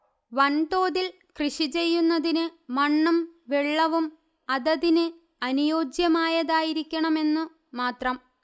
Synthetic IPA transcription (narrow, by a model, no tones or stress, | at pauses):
ʋɐnd̪o̞ːðil | krɨʂit͡ɕe̞jːunːɐðinɨmɐɳːumʋeɭːɐʋum | ɐðɐðinɨ | ɐnujo̞ːd͡ʑjɐmaːjɐðaːjiɾikʲːɐɳɐme̞nːɨ | maːt̪rɐm